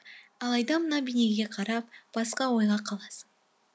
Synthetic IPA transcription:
ɑlˠɑjd̪ɑmənɑbijne̞ɡʲe̞qʰɑɾɑp̚b̥ɑsqɑwo̞jʁɑqʰɑlˠɑsə̥ɴ

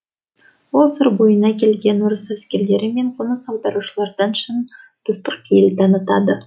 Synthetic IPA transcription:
wolˠsəɾbojənɑkʲʰe̞lɡʲe̞nʊɾəsæskʲe̞ɾle̞ɾɪme̞ɴqʰʊnəsɑwˠd̪ɑɾuʃəlˠɑɾd̪ɑnʃən | d̪̥ʊst̪əq̚kʲʰejld̪ʰɑnət̪ɑd̪ə

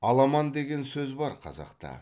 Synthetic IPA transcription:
ɑlˠɑmɑnd̪e̞ɡʲe̞nsɵzbɑɾqʰɑ̰zɑ̰qt̪ɑ̰

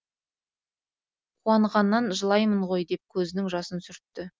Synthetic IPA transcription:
qʰuɑɴʁɑnːɑnʒəlˠɑjməɴʁo̞jd̪e̞p̚kʲʰɵzɪnɪŋʒɑsənsʏɾt̪ːɪ

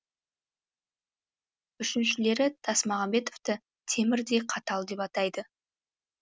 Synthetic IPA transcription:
ʏʃɪnʃɪle̞ɾɪd̪̥ʰɑsmɑʁɑmbe̞t̪o̞vt̪ə | t̪ʰe̞mɪɾd̪e̞qʰɑt̪ɑlˠd̪e̞pɑt̪ɑjd̪ə

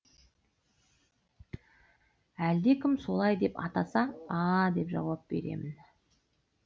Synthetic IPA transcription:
æld̪e̞kʲʰɪmso̞lˠɑjd̪e̞pɑ̰t̪ɑsɑɑd̪e̞pʒɑ̰wɑp̚be̞̰ɾe̞̰mɪn

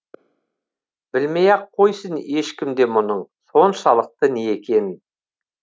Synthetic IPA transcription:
bɪlmejɑqʰːo̞jsəne̞ʃkʲɪmd̪e̞mʊnəɴso̞nʃɑlˠəq̚t̪əneekʲe̞nɪ

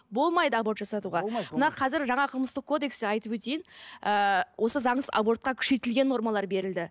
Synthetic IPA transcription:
bo̞lˠmɑjd̪əabo̞ɾt̪ʒɑsɑt̪uʁɑmənɑqʰɑzɪɾʒɑɴɑqʰəlˠməst̪əq̚kʰo̞d̪e̞kseɑjt̪əpwɵt̪ejɪnəwʔo̞səzɑɴəsɑ̰bo̞rt̪̚qɑkʲʰʏ̥ʃe̞t̪ɪlɡʲe̞nːo̞ɾmɑlˠɑɾbe̞ɾɪld̪ɪ

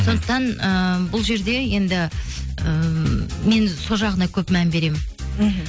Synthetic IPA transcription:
so̞nd̪əq̚t̪ɑnəbʊlˠʒe̞ɾd̪e̞je̞nd̪ɪ | ə | me̞nso̞lˠʒɑʁənɑkʲʰɵpmænbe̞ɾe̞mɪn

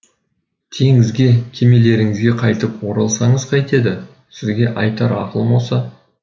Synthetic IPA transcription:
t̪ʰe̞ŋɪzɡʲe̞kʲʰe̞me̞le̞ɾɪŋɪzɡʲe̞qʰɑjt̪əpwo̞ɾɑlˠsɑɴəzqʰɑjt̪e̞d̪ɪ | sɪzɡʲe̞ʔɑjt̪ɑɾɑ̰qəlˠmo̞lˠsɑ

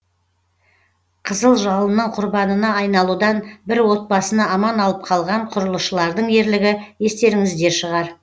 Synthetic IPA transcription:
qʰəzəlˠʒɑlˠənːəɴqʰʊɾbɑnənɑɑjnɑlˠud̪ɑnbɪɾwo̞t̪̚bɑsənɑɑmɑnɑlˠəp̚qʰɑlˠʁɑɴqʰʊɾəlˠəʃəlˠɑɾd̪əɴe̞ɾlɪɡʲɪe̞st̪e̞ɾɪŋɪzd̪e̞ɾʃəʁɑɾ

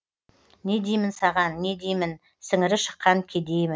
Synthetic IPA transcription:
ne̞d̪ejmɪnsɑʁɑnːe̞d̪ejmɪn | sɪŋɪɾɪʃə̥qːɑŋkʲʰed̪e̞jmɪn

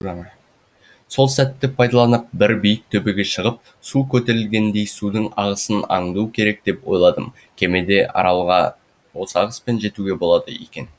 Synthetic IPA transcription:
so̞lˠsæt̪ːɪpʰɑjd̪ɑlˠɑnəq̚bɪɾbijɪk̚t̪ʰɵbe̞ɡʲe̞ʃəʁəp̚ | sukʲʰɵt̪e̞ɾɪlɡʲe̞nd̪e̞jsud̪əɴɑʁəsənɑ̰ɴd̪ukʲʰe̞ɾe̞k̚d̪e̞pwo̞̰jlˠɑd̪əm | kʲʰe̞med̪e̞ʔɑ̰ɾɑlˠʁɑ̰ | wosɑʁəspe̞nʒe̞t̪uɡʲe̞bo̞lˠɑd̪əḛkʲe̞n

